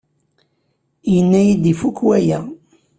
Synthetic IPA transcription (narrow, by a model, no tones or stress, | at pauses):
jənːæjid̪ifukːwæjæ